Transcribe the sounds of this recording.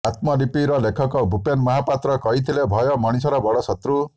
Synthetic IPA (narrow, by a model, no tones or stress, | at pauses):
at̪mɔlipiɾɔlekʰɔkɔbupenmɔɦapat̪ɾɔkɔɦit̪ʰilebʱɔjɔmɔɽ̃isɔɾɔbɔɽɔsɔt̪ɾu